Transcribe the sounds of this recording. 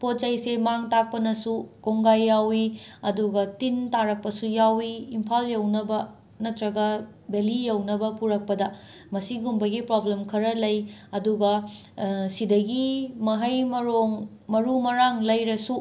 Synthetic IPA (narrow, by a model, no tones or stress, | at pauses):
pot̚t͡ʃɐjsemaŋtak̚pɐnɐsukoŋɡajːawiɐduɡɐtintaɾɐk̚pɐsujawiːmpʰaljɐwnɐbɐ | nɐtɾɐɡɐ | belijɐwnɐbɐpuɾɐk̚pɐdɐ | mɐsiɡumbɐɡipɾoblemkʰɐɾɐlɐjɐduɡɐ | sidɐɡimɐɦɐjmɐɾoŋ | mɐɾumɐɾaŋlɐjɾɐsu